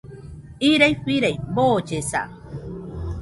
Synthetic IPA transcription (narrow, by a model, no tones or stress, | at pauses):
iɾajɸiɾajboːt͡ʃesa̰